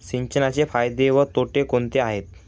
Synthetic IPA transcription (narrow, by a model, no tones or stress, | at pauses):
siɲt͡ɕənat͡ɕefajd̪eʋət̪oʈekont̪eaɦet̪